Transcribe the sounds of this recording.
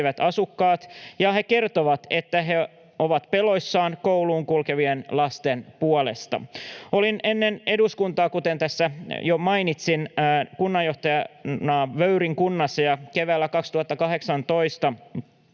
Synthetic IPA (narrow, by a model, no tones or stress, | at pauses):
ʋæt̪ɑsukːɑːt̪jɑhe̞ke̞rt̪oʋɑt̪et̪ːæɦe̞ | oʋɑt̪pelo̞jsːɑːnkowluːŋkulkeʋienlɑst̪enpuolḛst̪ɑ̰o̞line̞nːene̞duskunt̪ɑːkut̪ent̪æsːæjomɑinit̪sinkunːɑjo̞ht̪ɑjɑnɑːʋøyɾiŋkunːɑsːɑjɑkeʋæːlːækɑkst̪uhɑt̪ːɑkɑɦe̞ksɑnt̪oist̪ɑ